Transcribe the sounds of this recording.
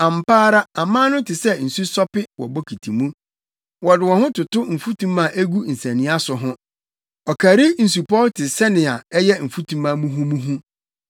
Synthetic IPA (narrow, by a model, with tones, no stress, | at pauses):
ã˨m˨paː˦ɾa˦a˨mãː˦nʊ̃˦tʰɪ˨sɛ˦n̩˨su˦sɔ˦pɪ˦wɔ̰˨bɔ˦kʰi˨tʰi˨mũ˦ | wɔ˨dɪ˨wɔ̃˨nhʊ̃˦tʰʊ˨tʊ˦m̩˨fu˦tʰũ˦mã˨ʔe˦ɡu˦n̩˨sɛ̃˨nɪ̃˦a˦sʊ˨ɦʊ̃˦ | ɔ˨kʰa˨ɾi˦n̩˨su˨pʰɔ˦tʰɪ˨sɛ˦nɪ̃˨a˨ɛ˦jɛ˦m̩˨fu˦tʰũ˦mã˦mũ˦ɦũ˦mũ˦ɦũ˦